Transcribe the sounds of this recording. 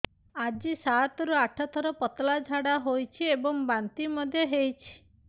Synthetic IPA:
ad͡ʒisat̪ɔɾuaʈʰɔt̪ʰɔɾɔpɔt̪lad͡ʒʱaɽaɦojt͡ʃʰiebɔŋbant̪imɔd̪ʱjɔɦejt͡ʃʰi̥

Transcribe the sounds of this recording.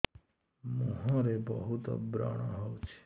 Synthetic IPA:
mə̃ɦãɾebəɦut̪bɾa̰ːɽ̃ãɦəwt͡ʃʰe̥

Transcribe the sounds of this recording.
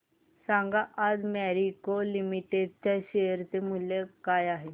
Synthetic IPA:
sãŋɡaʔad͡zmɛɾikolimiʈeɖ̚t̪aɕejəɾt̪emulːekajaɦe

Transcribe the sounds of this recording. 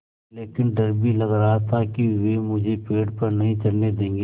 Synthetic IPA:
leːkɪnɖɐɾbʱilɐɡɾaɦat̪ʰakiʋemʊd͡ʒʱepeːɖpɐɾnɐɦĩt͡ʃɐɽned̪ẽːŋɡ

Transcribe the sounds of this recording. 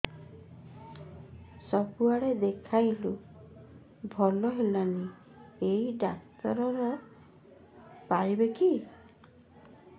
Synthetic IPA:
sɔbuaɽed̪ekʰajlu | bʱɔlɔɦelani | eiɖak̚t̪ɔɾɔɾɔ | pajbeki

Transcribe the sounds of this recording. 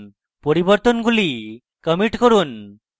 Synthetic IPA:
pɔɾibɔɾt̪onɡuli | kəmiʈkoɾun

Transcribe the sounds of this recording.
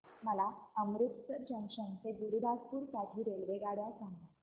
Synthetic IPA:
məlaəmɾut̪səd͡ʑəŋkʂənt͡seɡuɾud̪aspuːɾkaʈʰiːɾeɭʋeɡaɽjasaŋɡa

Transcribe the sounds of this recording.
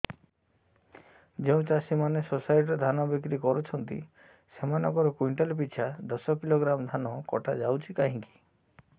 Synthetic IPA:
d͡ʒeũt͡ʃasimanesosajʈɾed̪ʱanɔbik̬ɾikɔɾut͡ʃʰɔnt̪ḭ | semanɔŋkɔɾɔkwiɳʈɔlp̬it͡ʃʰad̪ɔsɔkiloɡɾamd̪ʱanɔkɔ̰ʈʰad͡ʒawt͡ʃʰikaɦĩŋki̥

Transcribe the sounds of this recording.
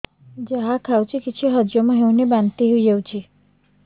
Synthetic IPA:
d͡ʒaɦakʰawt͡ʃʰikit͡ʃʰiɦəd͡ʒjomãɦew̃nebant̪iɦeid͡ʒewt͡ʃʰi

